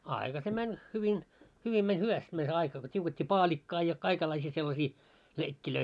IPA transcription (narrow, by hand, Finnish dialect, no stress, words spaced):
ɑikɑ se mænʲ hyʋin hyʋin menʲ hyʋæst mænʲ se ɑikɑ ko tʲiuketʲːiː pɑːlʲikːɑː jɑ kɑikelːɑisiː selːɑsiː leikːiløi